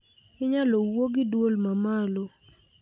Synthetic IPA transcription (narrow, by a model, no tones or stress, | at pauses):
ɪɲalɔwoɡɪdwolmamalo